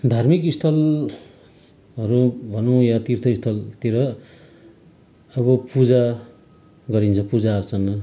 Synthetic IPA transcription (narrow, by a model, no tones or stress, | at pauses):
d̪ʱarmikist̪ʰʌl | ɦʌɾubʱʌnũjat̪irt̪ʰʌist̪ʰʌlt̪eɾʌ | ʌβʌpud͡za | ɡʌɾint͡sʰʌpud͡zaʌɾut͡sʰʌnʌ